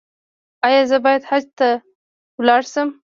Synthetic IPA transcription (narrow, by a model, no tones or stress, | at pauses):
ɑjɑzəbɑjad̪had͡ʒt̪a | wlɑɽsəm